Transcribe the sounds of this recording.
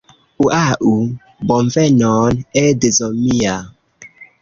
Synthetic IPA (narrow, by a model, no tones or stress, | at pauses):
uʔaʔu | bɔɱvɛnɔːnɛdezɔmija